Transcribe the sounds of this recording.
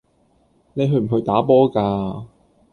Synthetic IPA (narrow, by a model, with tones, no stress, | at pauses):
ne˨˧jɦɵ˧ɥm̩˨˩ɦɵ˧ɥt̪aː˨˥p̬ɔː˥kaː˧